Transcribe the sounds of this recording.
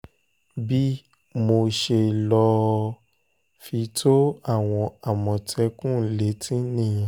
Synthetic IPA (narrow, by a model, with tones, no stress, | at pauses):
bi˦ | mo˧ʃe˧˨lɔ˧ | fi˧tʰo˦a˦˨w̃ɔ̃˧a˨mɔ̃˨tʰɛ˧kũ˦˨le˨˦tʰĩ˦nĩ˦˨j̃ã˨